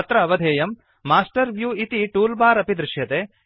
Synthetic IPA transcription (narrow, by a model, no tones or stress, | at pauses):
ɐt̪ɾɐɐʋɐd̪ʱeːjɐmː | aːsʈɐɾʋjuːit̪iʈuːlbaːɾɐpid̪ɾɪʃjɐt̪eː